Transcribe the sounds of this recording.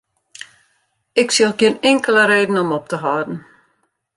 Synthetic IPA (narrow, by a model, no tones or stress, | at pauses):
ɪksilˠɡɪənɪŋkələɾeːdn̩ɔmɔp̚təɦaːdn̩